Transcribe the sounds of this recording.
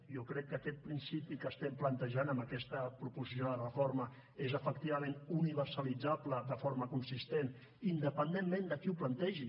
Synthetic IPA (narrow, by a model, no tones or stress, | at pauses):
jokɾɛkːəkɛt̪̚pɾinsipikəst̪ɛmplənt̪əʒanəmbəkɛst̪əpɾupuɾsjioðərəformə | ezəfəkt̪iβəmẽnuniβərsəlid͡zapləðəfoɾməkunsist̪en | ind̪əpənd̪emmẽnd̪əkiuplənt̪ɛʒi